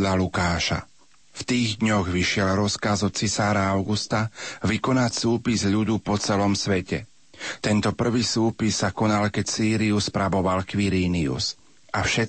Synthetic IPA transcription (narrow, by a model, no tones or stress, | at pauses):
ʎalukaːʃa̰ | ft̪iːɣd̪ɲɔɣʋiʃɪɛlɾɔskazɔt͡sisaːɾaaʊɡust̪aʋikɔnacsuːpizʎud̪upɔt͡sɛlɔmsʋɛcɛ̰ | t̪ɛnt̪ɔpr̩ʋiːsuːpisːakɔnalkɛcsiːɾiuspɾabɔʋalkʋiɾiːniṵs | ʔafʃɛ